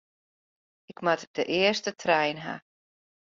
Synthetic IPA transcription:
ɪkmatdəʔɪəstətʰrɛjnɦa̰

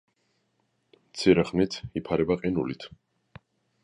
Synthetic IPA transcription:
mt̪sʰiɾɛχnit̪ʰipʰaɾɛbaqʼinulit̪ʰ

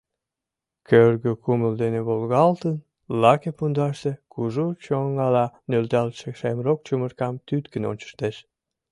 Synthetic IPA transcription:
kørɣøkuməld̪eneβolɣɑlt̪ən | lɑkepund̪ɑʃt̪ekuʒut͡ɕoŋɑlɑnølt̪ɑlt̪ʃekʃemrok̚t͡ɕumərkɑmt̪yt̪kə̆no̰nʲt͡ɕə̥ʃt̪eʃ

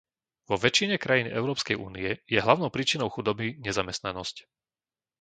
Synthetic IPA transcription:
ʋɔʋɛt͡ʃiɲɛkɾajiːnɛ̰ʊɾɔːpskɛjʔṵːnijɛjɛɦlaʊnɔʊpɾiːt͡ʃinɔʊxud̪ɔbiɲɛzamɛst̪nanɔsc

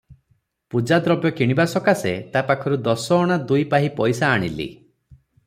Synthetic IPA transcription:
pud͡ʒad̪ɾɔbjɔkiɽ̃ibasɔkaset̪apakʰɔɾud̪ɔsɔːɽ̃ad̪ujpaɦipɔjsaːɽ̃ḭlḭ

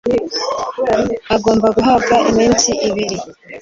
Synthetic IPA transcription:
aɡo̞ːmbaɡuɦabɡaʔimiːnsiʔiβiɾi

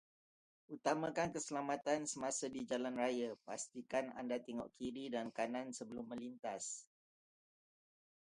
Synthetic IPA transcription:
ut̪amãkankəsəlamat̪ansəmasadid͡ʒalanrajapast̪ikana̰ndat̪ɛŋɔ̰ʔkʰiɾidankanãnsəbəlʊmːə̃lint̪as

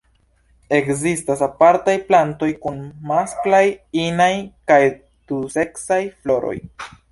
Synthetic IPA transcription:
e̞kzistasapaɾtajplanto̞jkunmasklajinajkaj | tuse̞ksajflo̞ɾo̞̰j

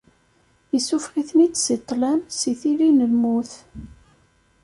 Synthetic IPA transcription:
isufʁiθnit͡sːsit̪ˤːlæmsiθilinəlmuθ

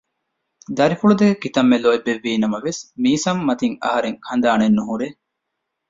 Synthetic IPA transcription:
d̪ɐɾifuɭud̪ekit̪ɐmːeloːebːeʋːiːnɐmɐʋesmiːsɐmːɐt̪iŋɐ̰ɦɐɾeŋhɐnd̪aːnenːuɦuɾe

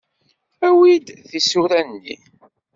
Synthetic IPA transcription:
æwid̪ðisuɾænnːḭ

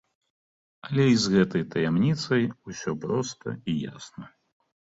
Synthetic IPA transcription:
ɐlʲɛizɣɛt̪ɐjt̪ɐjamnʲit̪sɐjusʲɔpɾɔst̪ɐ̰ija̰snɐ

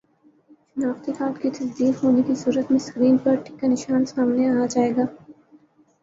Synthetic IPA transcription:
ʃɐnaːft̪ikaːt̪kit̪ʰɐsd̪iːkɦoːnekisuːɾət̪mẽskɾiːnpɐɾʈʰɪ̥kːanɪʃaːnsaːmneaːad͡ʒaːeːɡaː

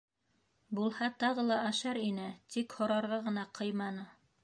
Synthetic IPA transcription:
bulˠhɑt̪ɑʁɤlˠɑʔæʃæɾinɘt̪ikhŏɾɑɾʁɑʁɤ̆nɑqʰɤjmɑnɤ

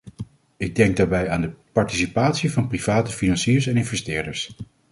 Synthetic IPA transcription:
ɪɡ̚dɛŋɡ̚daːɹbɛjaːndəpɑɹtisipaːtsivɑnpriv̥aːtəfinɑnsiːɹsɛnɪnvɛstɪːɹdəɹs

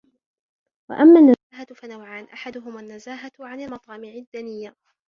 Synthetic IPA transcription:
wa̰ʔamːanːa | ɦat̪fanawʕaːnʔaħad̪ʊɦʊmanːazaːɦaʕanalmɑt̪ˤɑːmɪʕɪd̪ːanɪjːa

